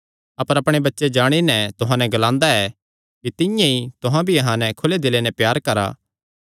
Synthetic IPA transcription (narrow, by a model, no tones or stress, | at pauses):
ɐpəɾɐpɽ̃ebɐtːʃed͡ʒaːɽ̃inɛ̃t̪ʊɦãnɛɡɐlãːnd̪aɛ | kit̪ɪjãit̪ʊɦãbʱiɐɦãnɛkʰʊled̪ɪlenɛpjaːɾkɐɾa̰ː